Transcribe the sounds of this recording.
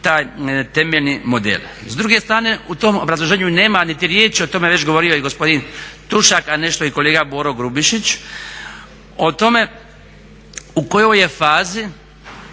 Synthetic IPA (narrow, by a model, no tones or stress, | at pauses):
t̪aːjt̪e̞meʎnimo̞d̪ḛl | zd̪ɾuɡe̞st̪ɾaːne̞ut̪o̞mobɾazlˠoʒe̞ːɲune̞ːmanit̪iɾjeːt͡ʃio̞t̪o̞me̞ʋe̞t͡ɕɡo̞ʋo̞ɾiojiɡo̞spo̞d̪int̪uʃakane̞ʃt̪oikole̞ːɡaboːɾoɡɾubiʃit͡ɕ | o̞t̪o̞me̞ | ukojo̞je̞faːzi